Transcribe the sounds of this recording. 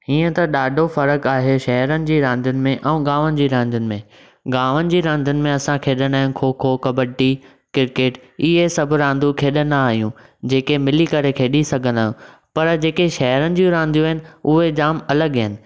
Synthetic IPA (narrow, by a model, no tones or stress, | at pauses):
ɦiːə̃t̪ɐɗaːɖʱofɐɾəkaːɦeʃɐɦɾənɪ̆d͡ʑiːɾãːnd̪ʱʊnɪ̆mẽʔɛ̃ːɠaːʋənɪ̆d͡ʑiːɾãːnd̪ʱənɪ̆mẽ | ɡaːʋənɪ̆d͡ʑiːɾãːnd̪ʱənɪ̆mẽɐsãkʰeːɗənaːɦɪ̃nɪ̆kʰoːkʰokɐbəʈi | kɪɾkeːʈɪɦesɐbʱʊɾãːnd̪ukʰeːɗənɐaːɦijũ | d͡ʑeːkemɪlikɐɾekʰeːɗisɐɡʱə̃nd̪aːũ | pɐɾd͡ʑeːkeʃɐɦɾənɪ̆d͡ʑiũɾãːnd̪ijũɦɪnɪ̆ʊɦed͡ʑaːmɐləɠɦɪnɪ̆